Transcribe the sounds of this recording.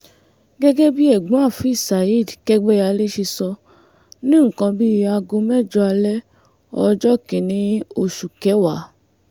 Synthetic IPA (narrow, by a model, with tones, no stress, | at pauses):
ɡɛ˦ɡɛ˦bi˦ɛ˦˨ɡ͡bũ˨˦a˦˨fi˨˦i˦˨sa˨i˦˨dkɛ˦ɡ͡bɛ˦a˧le˦ʃi˧sɔ˧ | nĩ˦ŋ̩˨kã˧bi˦˧˦a˧ɡo˧mɛ˦˨d͡ʒɔ˧a˧lɛ˦ | ɔ˧d͡ʒɔ˦kĩ˨nĩ˧˦o˦˨ʃu˨kɛ˨˦wa˨˦